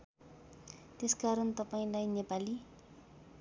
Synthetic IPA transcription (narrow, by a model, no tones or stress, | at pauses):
t̪eskaɾʌnt̪ʌpaĩlajnepali